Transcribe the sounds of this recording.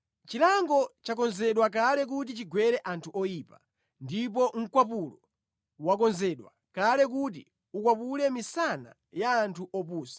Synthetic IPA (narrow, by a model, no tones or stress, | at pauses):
t͡ʃilaŋɡɔt͡ʃak̬ɔnzɛɗwak̬alɛk̬ut̬it͡ʃiɡwɛɾɛʔantʰuʔɔjipa | ndipɔŋ̩kwapulɔ | wakɔnzɛɗwa̰ | kalɛk̬ut̬i | ukwapulɛmisana̰ | jaːntʰuʔɔpuːsḁ